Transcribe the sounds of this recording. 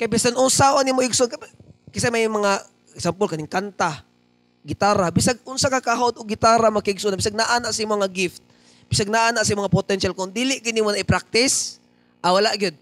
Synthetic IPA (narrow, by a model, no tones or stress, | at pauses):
kajbɪsanʊnsaʔonimoʔɪɡsʊnkɐpɛkɪs̬ɛmɐjmɐŋa | ɡsampolkɐnɪŋkant̪a | ɡɪt̪aːɾabɪsaɡ̚ʔʊnsakakaɦod̪oɡ̚ɡɪt̪aːɾamɐkɪɪɡsunabɪsaɡ̚naʔaːnaʔsɐimoŋaɡɪft̪̚ | b̥ɪsaɡ̚naʔaːnaʔsɐmʊŋapot̪ɛnʃalkʊŋd̪iːlɪʔɡɪd̪imonɐʔɪpɾak̚t̪ɪs | ʔɐwɐlaʔɡɪd̪̚